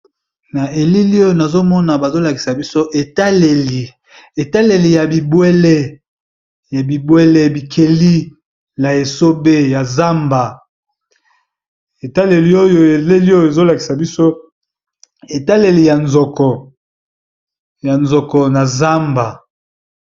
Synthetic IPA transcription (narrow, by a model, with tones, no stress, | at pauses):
na˨ʔe˨li˦li˦o˦jo˦˨na˨zo˦mɔ˦na˨ba˨zo˦la˨ki˨sa˨bi˦so˦ʔe˨ta˦le˨li˨ | e˨ta˦le˨li˨ja˨bi˨bwe˦le˦ | ja˨bi˨bwe˦le˦bi˨kʰe˨li˦ | na˨e˨so˦be˦ja˨za˦mba˨ | e˨ta˦le˨li˨o˦jo˦e˨le˦li˦o˦jo˨e˨zo˦la˨ki˨sa˨bi˦so˦ | e˨ta˦le˨li˨ja˨nzɔ˨kɔ˨ | ja˨nzɔ˨kɔ˨na˨za˦mba˨